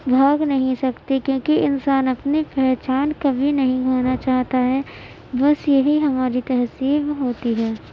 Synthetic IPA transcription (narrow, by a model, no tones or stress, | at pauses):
bʱaːɡnɐɦĩsɐkt̪ekjõːkiʔɪnsaːnɐpnepɛɦːt͡ʃaːnkɐbʱinɐɦĩɡʱoːnat͡ʃaːɦt̪aɦɛ | bɐsjɐɦiɦɐmaːɾit̪ɐɦsiːbɦoːt̪iɦɛː